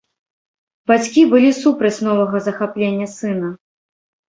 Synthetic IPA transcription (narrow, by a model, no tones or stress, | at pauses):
b̥at͡sʲkʲibɨlʲisupɾɐt͡sʲnɔvɐɣɐzɐxaplʲenʲːɐsɨnɐ